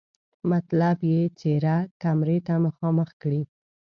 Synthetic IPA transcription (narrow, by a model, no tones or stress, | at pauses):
mat̪labjet͡seɾakamɾet̪aməxɑməxkɽi